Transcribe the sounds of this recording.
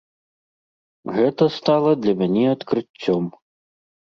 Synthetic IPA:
ɣɛt̪ɐst̪alˠɐd̪lʲɐmʲanʲɛɐt̪kɾɨt͡sʲːɔm

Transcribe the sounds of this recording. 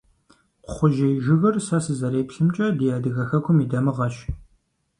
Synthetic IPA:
qʷʊχʷʊʒejʒɪɣɐrsɐsɨzɐɾeːpɬɨmt͡ʃʼɐdijaːdɨɣɐxɐkʷʰʊmidɐmɨʁɐʃ

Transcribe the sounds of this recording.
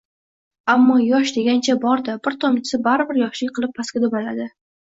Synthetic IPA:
amːɒjɒʃ̬d̪e̞ɡʲant͡ʃʰabɒɾd̪abɪɾt̪ʰɒmt͡ʃʰɪ̥sɪbaɾɪbɪɾjɒʃlɪkʲqʰɨlˠɪp̚pʰːaskʲad̪obalad̪ɪ

